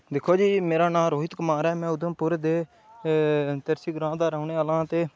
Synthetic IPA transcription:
d̪ɪkʰːoːd͡ʒiːmeːɾaːnãːɾoːɦɪt̪kəmãːɾɛːmɛ̃ːʊd̪õːpʊɾd̪eː | t̪əɾsiːɡɾãːd̪aːɾəʊneːaːlãːt̪eː

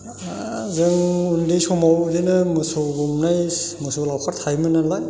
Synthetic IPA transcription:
zɯŋundisɔmawdenɯmɯsoɡumnajmɯsolawkʰaɾt̪ʰajmɯnalaj

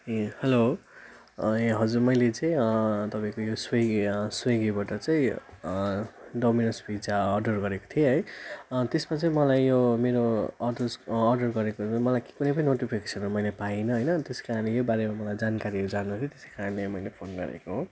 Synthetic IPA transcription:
hʌlo | ʌjɦʌd͡zurmʌjlet͡saĩt̪ʌpãĩkojosweɡsweɡibaʈʌt͡sʌĩ | ɖominʌsbʱid͡zaʌrɖʌrɡʌɾeko̥t̪ʰieɦʌjt̪esmat͡saĩmʌlajːomeɾoʌrɖʌsːrɖʌrɡʌɾekõmʌlajki̥kunʌjpʌninoʈipʰikesʰʌnomʌjlepainʌɦʌjnʌt̪eskaɾʌnlejobaɾemamʌlajd͡zankaɾiod͡zanut̪ʰit̪e̥sekaɾʌnlemʌjlepʰonɡʌ̰ɾḛkoɦo

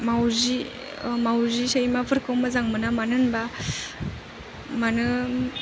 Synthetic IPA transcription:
mawzi | mawzisajmapʰɯɾkɯwmazaŋmɯnamanɯnba | manɯ

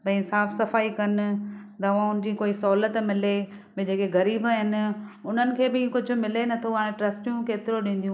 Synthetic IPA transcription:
bɐ̃saːfsɐfaːikɐn̆d̪ɐʋ̤ãʊnɪd͡ʑiːkoːisɔːlət̪mɪle | bɪd͡ʑeːkeɣɐɾiːbɦɪnɪ̆ʊn̤ənɪ̆kʰeːbɪkʊd͡ʑʱʊ̆mɪlenɐt̪ʰoɦaːɽ̃ẽʈɾɐsʈjũkeːt̪ɪɾoɗĩːn̆d̪iũ

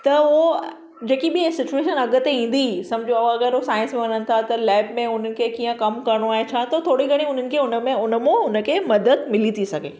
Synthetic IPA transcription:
t̪ɐo | d͡ʑeːkiɓɪesɪt͡ɕueːʃənɐɠət̪eĩːn̆d̪isɐ̃md͡ʑʱõɐãɐɡəɾɦosaːɪ̃nsmẽʋɐɲənɪ̆t̪ʰat̪ɐlɛːbmẽʊn̤ənɪ̆kʰekiːə̃kɐmkɐɾəɽ̃oaːɦẽt͡ɕʰaːt̪ɐt̪ʰoːɽiɡʱɐɽ̃ĩʊn̤ənɪ̆kʰeːʊnəmẽʊnə̆mõʊnəkʰeːmɐd̪əd̪mɪlit̪ʰisɐɡʱḛː

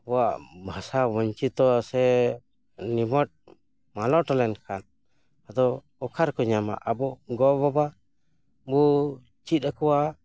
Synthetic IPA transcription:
bɔwaʔbʱasabɔɲt͡ʃit̪ɔsɛ | nimɔt̪̚ | malɔʈalɛnkʰan | ad̪ɔː | kʰaɾkɔɲama̰ʔabɔɡɔbɔba | bɔ | t͡ʃit̪̚ˀakɔwa

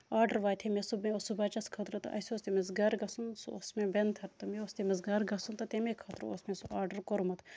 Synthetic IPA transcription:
aːɖɐɾʋaːt̪ʰemesubmeosubɐt͡ʃɐskʰɐt̪ɾɨt̪ɐ̰sʲoːst̪emɐzɡɐːɾɡɐsunsuo̰smebent̪ʰɐɾt̪ɐmeost̪emɐzɡaɾɡɐsunt̪ɐt̪emekʰɐt̪ɾ̰osmẽsuaːɾɖɐɾkoɾmɐt̪ʰ

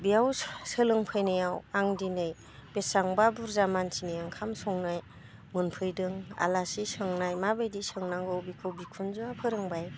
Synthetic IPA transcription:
bijawsɯlɯŋpʰɯjnɯjawaŋdinɯj | b̥esaŋbabuɾzamantʰinɯjaŋkʰamsɔŋnaj | mɯnpʰɯjdɯŋa̰lasisɯŋnajmabajdisɯŋnaŋɡɔwbikʰɯwbikʰunzuapʰɯɾɯŋbaj

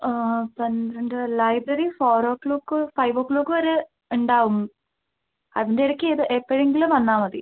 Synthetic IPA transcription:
pɐnd̪ɾɐɳɖɨlɐjbrɐɾifoːɾoːkɭuːkːɨfɐjʋoːkːɭuːkːɨʋɐɾe | uɳɖaːʋumːu | ɐðindeiɾɐkʲːeðɨʔepːɐɻeŋɡilumʋɐnːaːmɐði

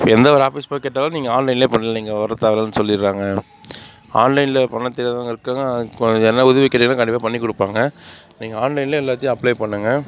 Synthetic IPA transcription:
pːoɛnd̪ɐʋɐɾaːfiːspokeːʈːaːlãːniːŋɡɐaːnlɐɪnleːpɐɳːɯɐniːŋɡɐʋɐɾɐt̪ːaːʋɐlɐnːɯsɔlːɪɾːaːŋɡɐ | aːnlɐɪnlɐpɐɳːɐt̪ːɪːɾɐt̪ãːŋɡɐɪɾɯkːaːŋɡɐɛnːɐʊðɐʋɪkːɐːɾːnãːkɐɳɖɪpːaːpɐɳːikːɔɽɯpːaːŋɡɐ | niːŋɡɐaːnlɐɪnleːɛlːaːt̪ːɪjʊ̃ɐpːlɐɪpɐɳːɯŋɡɐ

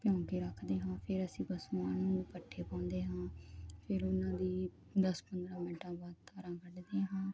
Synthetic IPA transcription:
pɪjɔ̃ːŋkeːɾəkʰd̪eːɦãːpʰɪɾəsĩːbəsmaːnãːnũːpəʈʰːeːpãːnd̪eːɦãːpʰɪɾʊnãːd̪iː | d̪əspənd̪ɾãːmiːʈãːbaːd̪̚t̪ʰaːɾãːkəɖd̪eːɦãː

